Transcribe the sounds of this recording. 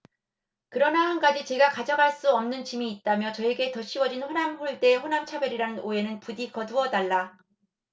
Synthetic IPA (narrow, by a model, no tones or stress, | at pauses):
kɯɾʌnaɦanɡad͡ʑit͡ɕe̞ɡakad͡ʑʌɡaɭs͈uʌmnɯnt͡ɕimiːt̚t͈amjʌt͡ɕʌeɡe̞tʌɕ͈ʰiwʌd͡ʑinɸonamɸoɭt͈e̞ɸonamt͡ɕʰabjʌɾiɾanɯnoe̞nɯnpudikʌduʌdaɭːa